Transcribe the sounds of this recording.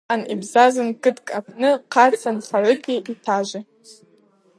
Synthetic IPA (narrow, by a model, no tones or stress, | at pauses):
anibzazɨnkʼɨtkʼapʰnɨqʰat͡sʰanχarʊkʲʼiitʰaʒʷɪ